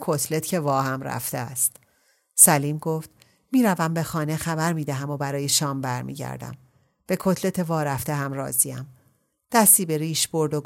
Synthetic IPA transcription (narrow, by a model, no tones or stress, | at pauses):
kʰo̞t̪ʰle̞t̪cʰe̞vɒːhæmɾæ̰ft̪eæst̪ | sæliːmɡoːft̪ | miːɾævæmbe̞xɒːne̞xæbæɾmiːd̪æɦæmo̞bæɾɒːjeʃɒːmbæɾmḭːɟæ̰ɾd̪æ̰m | b̥e̞kʰot̪ʰle̞t̪ʰe̞vɒːɾæft̪eɦæmrɒ̰ːziæm | d̪̥æst̪iːbe̞ɾiːʃbo̞ɾd̪oɡ